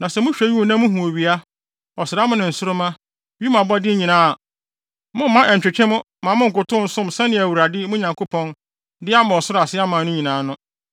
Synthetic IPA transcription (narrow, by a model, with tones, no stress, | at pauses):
nã˨sɛ˨mʊ̃˦ɕᶣæ˨˦ji˦õ˨nã˦mʊ̃˦ɦũ˨o˨ɥi˨a˦ | ɔ˨sɪ˨ɾa˦mʊ̃˦nɪ̃˨n̩˨sʊ˦ɾʊ˦mã˦ | bi˦mã˨bɔ˦dɪ˦ɲĩ˨nãː˦a˨ | mʊ̃˦m̩ː˦ã˦ʔɛ˨t͡ɕᶣɪ˨t͡ɕʰᶣɛ̃˦mʊ̃˦ | mã˨mʊ̃˦ŋ̩˨kʊ˨tʊ̃˦n̩˦sʊ̃˦m˨sɛ˦nɪ̃˦æ˨wu˨ɾa˨dɪ˦mʊ̃˦ɲã˨ŋkʰo˦pʰɔ̃˦n | dɪ˦a˦mã˨ɔ˨sʊ˦ɾa˨sɪ˦a˦mãː˨˦nʊ̃˦ɲĩ˨nãː˨˦nʊ̃˦